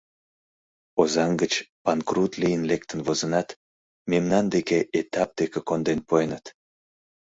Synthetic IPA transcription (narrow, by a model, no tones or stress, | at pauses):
ozɑŋɡət͡ɕpɑnkrut̪lijənlek̚t̪ənvozənɑt̪ | memnɑnd̪ekeʔet̪ɑp̚d̪̥ekekond̪enpojnət̪